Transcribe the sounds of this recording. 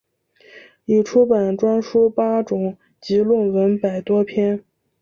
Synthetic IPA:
i˨˩ʈ͡ʂʰu˥pa˨˩nʈ͡ʂwa˥nʂu˥pa˥ʈ͡ʂʊ˨˩ŋ | t͡ɕi˧˥lwə˥˩nwə˧˥npa˨˩ɪt̪wɔ˥pʰjɛ˥n

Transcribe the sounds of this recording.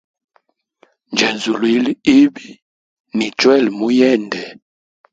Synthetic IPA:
nd͡ʒɛ˨nzu˨li˨˦li˦i˦bi˦ | ni˨t͡ʃwɛ˦˨lmu˦jɛ˦˨ndɛ˨

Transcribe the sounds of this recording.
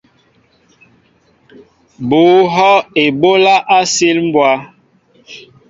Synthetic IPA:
boː˨˦ɦɔ˦e˨bo˦la˦ʔa˦si˦lm̩˦bwa˦

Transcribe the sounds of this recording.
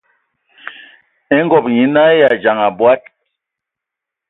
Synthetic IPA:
ɛ˦ŋɡɔ˨pɲi˨na˦ja˨d͡ʒa˨ŋa˨bwa˦t̚

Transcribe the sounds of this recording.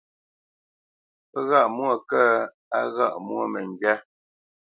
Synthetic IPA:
ə˦ɣa˦˨ʔmwɔ˦˨kɛ˦ | a˦ɣa˦˨ʔmwɔ˦˨mɛ˨ŋ˨ɡɥɛ˦

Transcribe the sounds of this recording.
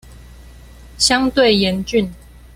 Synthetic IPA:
ɕjɑ˦ŋt̪we˥˨ɪjɛ˨˦nt͡ɕy˥˨n

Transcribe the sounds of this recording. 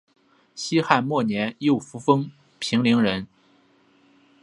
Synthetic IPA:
ɕi˥xa˥˧nmwɔ˥˩njɛ˧˥njo˥˩ʊfu˧˥fɤ˥ŋ | pʰi˧˥ŋli˧˥ŋɻə˧˥n

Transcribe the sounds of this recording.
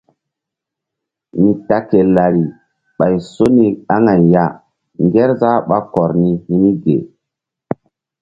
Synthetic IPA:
ni˨ta˨ke˨la˨ɾi˨ | ɓa˨jso˦ni˨ɗa˦ŋa˨jja˦ | ŋɡe˦ɾza˦ɓa˦kɔ˨ɾni˦hi˦ni˦ɡḛ˨

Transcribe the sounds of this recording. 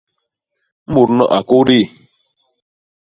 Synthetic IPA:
mu˨ɾnɔ̰˦˨ʔa˨ko˦ɾi˦˨

